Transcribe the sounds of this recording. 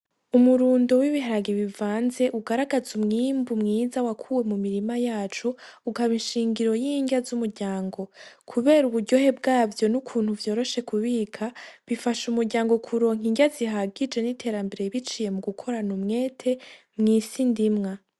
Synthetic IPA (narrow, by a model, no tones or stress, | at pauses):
umuɾuːndowiβiɦaɾaɡeβivaːnze̞ʔuɡaɾaɡazumŋimbumŋiːzawakʰuwe̞mumiɾimajaːt͡ʃuːkaβinʃiːŋɡiɾo̞jiɲɟazumuɾɟaːŋɡo̞kʰuβe̞ːɾuβuɾɟo̞he̞bɡaːvjo̞nukʰuːn̥huvjo̞ːɾo̞ʃe̞kuβiːkʰaβifaʃumuɾɟaːŋɡo̞kʰuɾo̞ːŋiɲɟaziɦaɡid͡ʒe̞nitʰe̞ːɾambe̞ɾeiβit͡ʃije̞muɡukʰo̞ɾanumŋe̞ːtʰe̞ | mŋiːsindimŋa